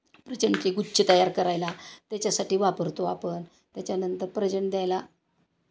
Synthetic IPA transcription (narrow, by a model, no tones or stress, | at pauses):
pɾət͡ɕəɳkeɡuɕʰət̪əjaɾkəɾajlat̪jat͡ɕjasaʈiːʋapəɾt̪oapən | t̪jat͡ɕjanənt̪əɾpɾət͡ɕəɳd̪jajla